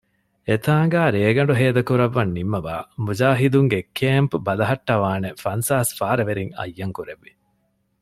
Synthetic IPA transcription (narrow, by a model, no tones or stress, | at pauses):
et̪aːŋɡaːɾeːɡɐɳɖuɦeːd̪ɐkuɾɐʋːɐnːimːɐʋa̰ːmud͡ʒaːɦid̪uŋɡekʰeːmpbɐlɐɦɐʈːɐʋaːnefɐnsaːsfaːɾɐʋeɾiŋɐ̰jːɐŋkuɾeʋːi